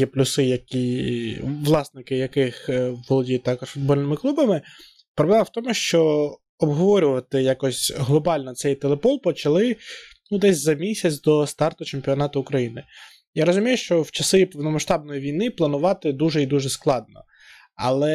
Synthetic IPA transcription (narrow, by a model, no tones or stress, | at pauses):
jɛplʲʊsɪjɐkʲi | ʋlˠɑsnɪkɪjɐkɪxʋɔlˠɔdʲit̪ɑkɔʂfʊd̪̚bɔlʲnɪmɪklˠubɐmɪ | pɾɔblˠɛmɐwt̪ɔmʊʃt͡ʃɔ | ɔbɦɔʋɔɾʲʊʋɐt̪ɪjakɔsʲɦlˠɔbɑlʲnɔt̪sɛjt̪elˠepɔlˠpɔt͡ʃɐlˠɪnud̪ɛsʲzɐmʲisʲɐt͡sʲd̪ɔst̪ɑrt̪ʊt͡ʃemʲpʲiɔnɑt̪ʊʊkɾɐjinɪ | jaɾɔzʊmʲijʊʃt͡ʃɔwt͡ʃɐsɪpɔwnɔmɐʃt̪ɑbnɔjiʋʲijnɪplˠɐnʊʋɑt̪ɪd̪uʒɛid̪uʒɛsklˠɑd̪̚nɔ̰ | ɐ̰lˠɛ